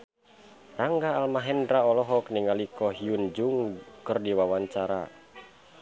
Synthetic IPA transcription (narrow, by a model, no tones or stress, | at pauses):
raŋɡaːlmaɦɛndɾaɔlɔɦɔkniŋalikɔɦiund͡ʒuŋkərdiwawaɲt͡ʃaɾa̰